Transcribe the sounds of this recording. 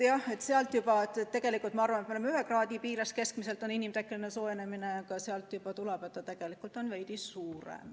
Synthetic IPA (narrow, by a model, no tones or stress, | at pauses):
jɑe̞t̪seɑlt̪ˑjubɑet̪ːett̪ːe̞ɡ̥e̞likːˑult̪mɑɑrvɑnet̪meemeyɦekrɑːd̪ipiːɾɑske̞skmise̞lt̪ːˑo̞ninimt̪ekːˑelineso̞ːene̞mineɑkɑseɑlt̪ˑjub̥ɑt̪ulɛb̥e̞t̪ːɑt̪e̞ɡ̥e̞likult̪ˑo̞nvejd̪̥isuːɾḛm